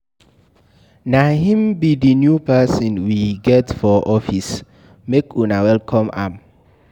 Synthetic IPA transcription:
nahĩmbidinjupɛsɔ̃nwiɡɛtfɔʔɔfis | mekʰunawɛlkʰɔ̃ma̰m

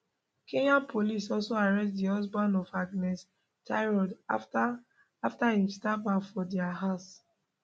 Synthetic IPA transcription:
kẽɲãnpʰolisɔlsoaɹɛstdiɔs̬bãnɔfaɡnɛs | tʰaɪɹɔda | aftaĩstabãfɔdɛaɦas

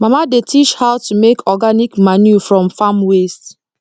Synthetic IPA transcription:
mamadetʰit͡ʃhaʊtumekʰɔɡanikmanjufɹɔ̃mfamwest

